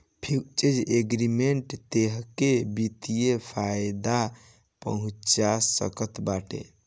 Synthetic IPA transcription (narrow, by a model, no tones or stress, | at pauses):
pʰikt͡ʃed͡ʒeɡɾimeɳʈt̪eɦkebit̪ijepʰajd̪a | pə̰ɦũt͡ʃasə̰kət̪baʈḛ